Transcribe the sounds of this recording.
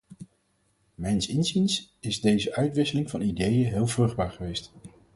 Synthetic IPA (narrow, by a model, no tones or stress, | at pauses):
mɛjnsɪnzins | ɪzdejzəʔœɥtʋɪsəlɪŋvɑnidejəɦɪːlˠvrɵχd̚baːɹχəʋejst